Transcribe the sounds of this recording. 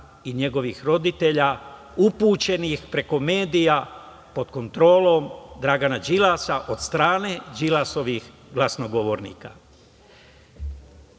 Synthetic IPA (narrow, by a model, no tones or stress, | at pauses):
iɲe̞ɡo̞ʋixɾo̞d̪it̪eʎa | upuːt͡ʃe̞nixpɾe̞ko̞me̞ːd̪ija | po̞d̪ko̞nt̪ɾo̞ːlo̞md̪ɾaɡanad͡ʒilasaʔo̞d̪̥st̪ɾaːned͡ʒilaso̞ʋix | ɡlasno̞ɡo̞ʋo̞ɾnḭːka